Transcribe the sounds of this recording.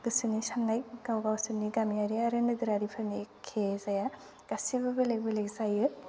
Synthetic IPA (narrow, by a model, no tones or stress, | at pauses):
ɡ̥ɯsɯnisanːajk̚ɡ̥awɡawsɯniɡamiaɾiaɾɯnɯɡɯɾaɾipʰɯɾnikʰezaja | ɡ̥asibɯbɯlek̚bɯlekzajɯ